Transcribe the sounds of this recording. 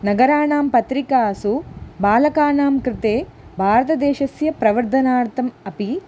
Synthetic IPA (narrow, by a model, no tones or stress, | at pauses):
nɐɡɐɾaːɳaːmpɐt̪ɾikaːsubaːlɐkaːnaːmkɾɪt̪eː | bʱaːɾɐt̪ɐd̪ɛːʃɐsjɐpɾɐʋɐɾd̪ʱɐnaːɾt̪ɐmɐpi